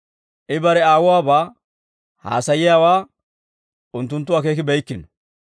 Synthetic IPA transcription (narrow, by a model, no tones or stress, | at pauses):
ʔɪbɐɾɛaːwʊwaːbaː | ha̰ːsɐjɪjaːwaː | ʊnt̪ːʊnt̪ːʊwaːk̬e̞ːkɪbɛjkːɪnɔ